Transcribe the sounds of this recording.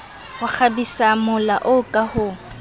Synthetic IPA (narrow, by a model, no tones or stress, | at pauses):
hʊk͡xʰabisamʊla̰ʔʊkʼahʊ